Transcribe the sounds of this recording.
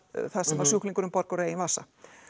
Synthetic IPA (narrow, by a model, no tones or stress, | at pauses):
θaðsɛmvaɾ̥sjuhkliŋkʏɾʏmpɔɾkɔɾeːjɪnvaːsːa